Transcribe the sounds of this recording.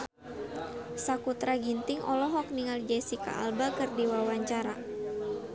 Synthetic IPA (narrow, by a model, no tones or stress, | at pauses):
sakut̪ɾaɡint̪iŋʔɔ̰lɔɦɔk̚niŋald͡ʒɛsika̰ʔa̰lbakɨrdiwawaɲt͡ʃaɾa